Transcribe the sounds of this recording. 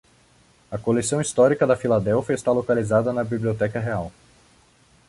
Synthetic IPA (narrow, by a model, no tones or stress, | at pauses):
ɐkolesɐ̃w̃ist̪ɔɾikɐd̪ɐfilad̪ɛwfiɐest̪alokalizad̪ɐnɐbibliot̪ɛkɐɦeaw